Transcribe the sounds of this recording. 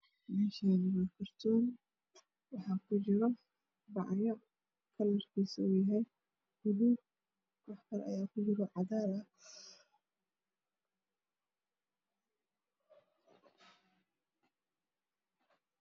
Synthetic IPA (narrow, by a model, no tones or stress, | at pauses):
mɛːʃaːnɪmɐkʰɐrt̪ʰɔːn | wɑħɑːkʰʊd͡ʒɪɾɔ | bɑʕjɐ | kʰɐlɐrkʰiːsɐujɐɦɛj | hʊdu | kɑħbɐɾʔɐ̰jaːkʰʊd͡ʒɪɾɔʕɑðaːlɐ